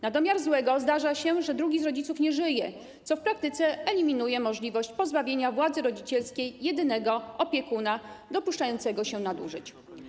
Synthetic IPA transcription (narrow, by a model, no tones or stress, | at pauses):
nad̪ɔmʲjaɾzwɛɡɔzd̪aʐaɕɛʐɛd̪ɾuɡʲizɾɔd͡ʑit̪sufɲɛʐɘjɛ | t̪sɔfpɾak̚t̪ɘt̪sɛɛlʲimʲinujɛmɔʐlʲivɔɕt͡ɕpɔzbavʲjeɲavwad̪zɘɾɔd͡ʑit͡ɕɛlskʲejːɛd̪ɘnɛɡɔɔpʲjɛkunad̪ɔpuʂt͡ʂajɔnt̪sɛɡɔɕɛnad̪ṵʐɘt͡ɕ